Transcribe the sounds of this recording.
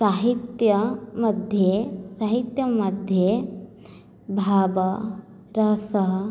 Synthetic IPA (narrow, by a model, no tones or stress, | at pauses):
saːɦit̪jɐmɐd̪ʱjesaːɦit̪jɐmɐd̪ʱje | bʱaːbɐ | ɾɐɦsɐɦ